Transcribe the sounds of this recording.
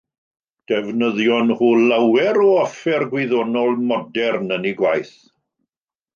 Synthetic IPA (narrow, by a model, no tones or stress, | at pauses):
d̥ɛvnəðjɔnhuːlawɛɾɔɔfɛrɡwɪðɔnɔlˠmɔdɛrnəniɡwajθ